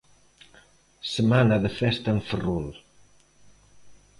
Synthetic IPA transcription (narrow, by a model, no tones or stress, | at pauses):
səmanaðəfɛst̪aəɱfərul